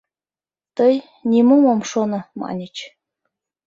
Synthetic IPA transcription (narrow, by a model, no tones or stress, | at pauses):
t̪ɤj | nʲimumomʃonɤ̆mɑ̰nʲit͡ɕ